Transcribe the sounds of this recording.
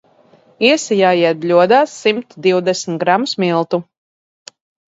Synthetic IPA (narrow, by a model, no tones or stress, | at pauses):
iɛsijaːjiɛt̪̚blʲuɔd̪aːsːimt̪d̪iwd̪ɛsmt̪ɡɾamusmilˠt̪u